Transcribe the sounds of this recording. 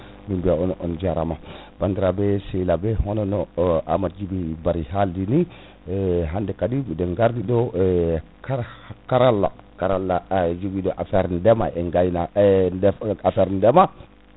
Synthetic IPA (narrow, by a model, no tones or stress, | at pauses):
mimbiaɔnɔnd͡ʒaɾa̰mabandiɾabɛsɛjlabɛɦɔnɔnɔʔa̰mad͡ʒibibaɾihaldini | ɦandɛkadidɔŋɡaɾdiɗɔ | kakaɾalːa̰kaɾalːad͡ʒuɡidɔʔafɛɾndɛma̰ɛŋɡajnadɛafɛɾndɛma